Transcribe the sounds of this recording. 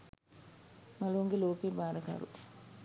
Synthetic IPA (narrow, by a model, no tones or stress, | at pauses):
mɐloŋɡiloːkebaːɾɐka̰ːɾṵ